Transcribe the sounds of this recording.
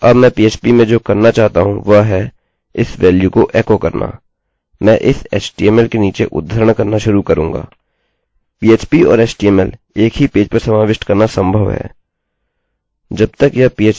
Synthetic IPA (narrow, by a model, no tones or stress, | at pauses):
ɐbmɛ̃ːpiːeːt͡ʃpimẽd͡ʒoːkɐɾnat͡ʃaːɦt̪aɦũʋɐɦɛ | ɪsʋɛːljukoʔɛːkokɐɾna̰ː | mɛ̃ːʔɪsḛːsʈieːmɛlkeniːt͡ʃeʔʊ̰d̪ʱːəɾəɽ̃kɐɾnaʃʊɾukɐɾũːŋɡa̰ː | piːeːt͡ʃpiɔ̰ːɾeːsʈieːmɛl | eːkɦipeːd͡ʒpɐɾsɐmaːʋɪʃʈkɐɾnasə̃mbʱəʋɦɛ̰ː | d͡ʒɐb̚t̪əkjɐpiːeːt͡ʃ